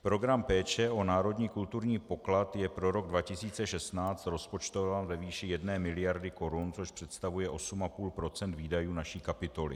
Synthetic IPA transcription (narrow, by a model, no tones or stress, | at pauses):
pɾo̞ɡɾampɛːt͡ʃɛʔo̞naːɾo̞dɲiːkult̪uɾɲiːpo̞klat̪jɛpɾo̞ɾo̞ɡ̚dvacɪsiːt͡sɛʃɛst̪naːt͡st̪ɾo̞spo̞t͡ʃt̪ovaːnvɛviːʃɪjɛdnɛːmɪlɪjaɾdɪko̞ɾunt͡so̞ʃpr̥ɛt̪st̪avujɛʔo̞sumapuːlpɾo̞t͡sɛnt̪viːdajuːnaʃiːkapɪt̪o̞lɪ̰